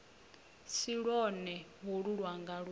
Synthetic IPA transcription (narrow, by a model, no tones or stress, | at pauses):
siɺɔnɛɦoɺuɺwaŋɡaɺ